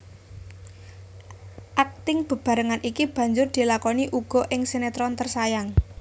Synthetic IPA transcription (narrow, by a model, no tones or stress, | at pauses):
ʔak̚t̪ɪŋb̥ə̤b̥a̤ɾəŋanikib̥ä̤ɲd͡ʒʊrd̪̥i̤lakɔniʔuɡ̥ɔ̤ʔɪŋsenet̪ɾɔnt̪ərsajaŋ